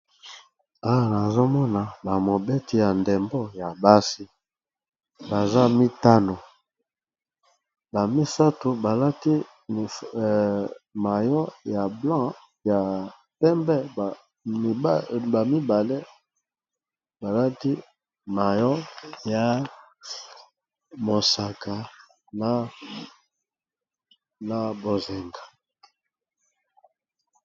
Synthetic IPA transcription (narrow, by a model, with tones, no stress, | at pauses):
a˦wa˨na˨zo˦mɔ˦na˨ba˨mo˨be˦ti˨ja˨nde˨mbo˦ja˨ba˦si˦ | ba˨za˦mi˦ta˦no˨ | ba˨mi˦sa˦to˨ba˨la˦ti˦˨ | ma˨jɔ˦ja˨blã˦ | ja˨ | pɛ˦mbɛ˦˨˦ | ba˨mi˦ba˨le˦ | ba˨la˦ti˦ | ma˨jɔ˦ja˨ | mo˨sa˨ka˨ | na˦ | na˨bo˨zɛ˨ŋɡḁ˨